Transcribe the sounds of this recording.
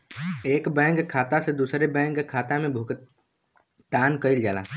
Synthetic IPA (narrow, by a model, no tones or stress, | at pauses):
eːkbɛ̃ːŋkkʰːaːt̪ased̪uːsɾebɛ̃ːŋkkʰːaːt̪amẽbʱʊk | t̪aːnkəɪld͡ʒaːla̰ː